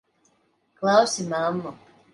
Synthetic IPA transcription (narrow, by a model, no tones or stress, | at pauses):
klaosimamːɔ